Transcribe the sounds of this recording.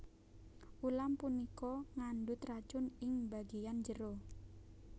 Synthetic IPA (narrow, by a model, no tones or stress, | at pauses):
ʔulampunikɔŋanɖʊt̪rḁt͡ʃʊnɪŋbaɡejand͡ʒəɾo